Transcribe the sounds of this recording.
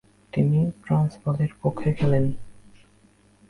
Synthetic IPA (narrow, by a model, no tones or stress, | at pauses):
t̪iniʈɾansbɔleɾpokʰːekʰɛlen